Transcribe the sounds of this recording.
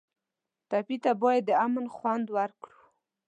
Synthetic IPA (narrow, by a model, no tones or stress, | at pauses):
t̪apit̪abɑjad̪ːəamənxwand̪waɾkɽu